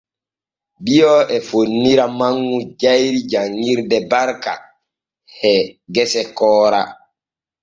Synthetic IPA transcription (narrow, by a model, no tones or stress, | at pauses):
bijɔʔɛfonːiɾamaŋːud͡ʒajɾid͡ʒaŋːɡiɾdɛbaɾka̰ | hɛɡɛsɛkɔːɾa̰